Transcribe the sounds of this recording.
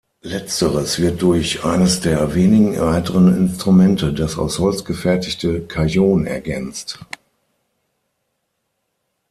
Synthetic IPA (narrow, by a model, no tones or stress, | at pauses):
lɛt͡stəʁəsv̥ɪɐt̚d̥ʊɐçʔaɪnəsd̥eːɐveːnɪɡŋ̩ʁaɪtəʁənɪ̰nstʁ̥umɛntʰədasa̰ʊshɔlt͡sɡ̥əfɛɐtɪçtəkʰajoːnɛ̰ɐɡɛnt͡st